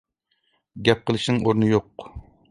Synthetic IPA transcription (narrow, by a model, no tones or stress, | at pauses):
ɡʲɛp̚qəlˠɨʃnɨŋʔoɾnɨjoq